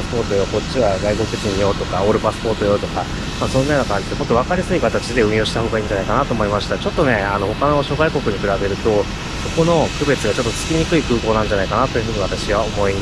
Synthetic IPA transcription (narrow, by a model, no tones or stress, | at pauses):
spo̞ːt̪o̞joko̞ɕiβaɡaiɡoket͡sɨɲ̟ijo̞ːt̪o̞kaoːɾɯ̟pasɨ̥po̞ːt̪o̞jo̞ːt̪o̞ka | maːsõ̞nːajnokãɲd͡ʑid̪emo̞t̪ːoβ̞akaɾʲasɨikat̪at͡ɕid̪e̞ɯ̟̃ɰ̃jo̞ːɕi̥t̪ahɦo̞ːɡaĩːɲ̟d͡ʑanaikanat̪o̞ːmo̞imaɕi̥t̪at͡ɕo̞t̪ːo̞ne̞ano̞ho̞kano̞ɕo̞ːɡaiko̞kɯ̟ɲ̟ikɯ̟ɾabe̞ɾɯ̟t̪o̞ | so̞ko̞no̞kɯ̟be̞t͡sɨɡat͡ɕo̞t̪ːot͡sɨ̥kʲiɲ̟ikɯikɯ̟ːko̞ːnãɲ̟d͡ʑanaikanat̪ojɯ̟ɸɯ̟ːɲiβ̞at̪aɕiβao̞mo̞i